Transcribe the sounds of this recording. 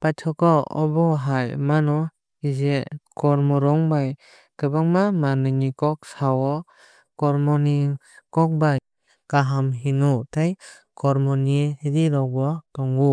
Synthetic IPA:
pajtʰɔkɔɔ̰bɔɦajmanɔ | izekɔɾmɔɾɔŋbaj | kɯbaŋmamanɯnikɔk̚sawɔ | kɔɾmɔni | kɔk̚baj | kaɦamɦinutaj | kɔɾmɔnihidiɾɔɡɔtɔŋɡu

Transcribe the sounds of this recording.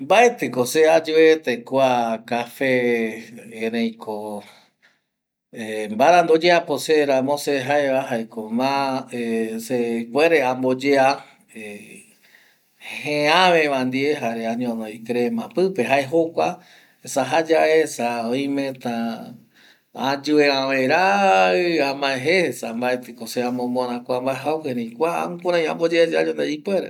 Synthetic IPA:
mbaet̪ekosead͡ʒuet̪ekwakafẽː | ɾẽj̃kʰo | embaɾãnd̪od͡ʒeaposeɾãmõseɦaeβaɦaekomãesekweɾeambod͡ʒea | e | hẽãʋẽβãnd̪ieɦaɾeaɲõnõjkɾemãpɨpeɦaeɦokʷa | esaɦad͡ʒaesaoj̃mẽt̪ã | ãd͡ʒueãʋeɾaɨãmãẽɦesambaet̪ɨkoseãmõmõɾãkʷambaeɦawheɾẽjkʷaa̰ũkuɾ̃ãj̃ã̰mbod͡ʒead͡ʒaɲond̪eipweɾḛ

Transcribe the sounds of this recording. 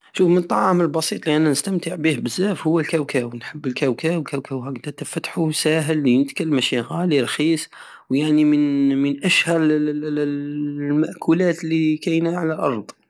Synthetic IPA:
ʃufmənt̪ˤːɑʕɑməlbɑsˤit̪ˤliʔænːænəst̪əmt̪əʕbihbəzːæfhʊwːælkæwkæwənħəbːəlkæwkæwlkæwkæwɦæɡd̪æt̪əfæt̪ħusæɦəlːinət̪kalmæʃiɣaliɾˤxisˤ | wjaʕnimənmənʔæʃhæɾ | lmaʔkʰulæt̪lːikæjnaʕalælʔɑɾˤd̪ˤ

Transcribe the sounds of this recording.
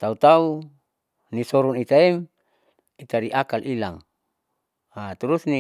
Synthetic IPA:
t̪aut̪au | nisɔɾunit̪aim | it̪adiʔakalʔilaŋ | at̪uɾusni

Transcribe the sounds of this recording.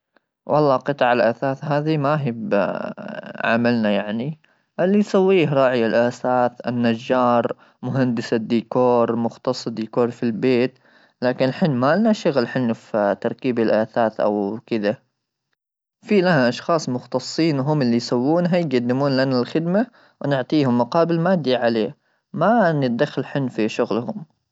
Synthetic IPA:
wʔɑlˤːɑːqɨt̪ˤʕalʔaθaːθhaːðimaɦɪb | ʕa̰malnajaʕni | ʔalːisawːiːhɾˤɑːʕɪjalʔaːθaːθɪnːad͡ʒːɑːɾˤ | mʊɦand̪ɪsad̪ːiːkoːɾˤmʊxt̪ɑsˤːd̪iːkoːɾˤfilbeːt̪ | laːkɪnħɪnːmaːlnaʃaɣlħɪnːft̪ɑɾˤkiːbalʔaːθaːθʔa̰wkɪd̪a | fiːlahaʔɑʃxɑːsˤmʊxt̪ɑsˤːiːnwɦʊmɪlːijsawːuːnɦajɡad̪ːɪmuːnlanalxɪd̪ma | wnɪʕt̪ˤiːhʊmːʊqɑːbɪlmaːd̪aʕaleː | manɪt̪̚d̪axːalħɪnːfiʃʊɣlhʊm

